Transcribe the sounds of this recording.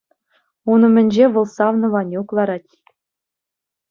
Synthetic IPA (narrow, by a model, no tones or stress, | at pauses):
unɤ̆mʲɘ̆nʲd͡ʑeʋolˠsɑvnɤ̆ʋɑnʲuklˠɑɾɑtʲ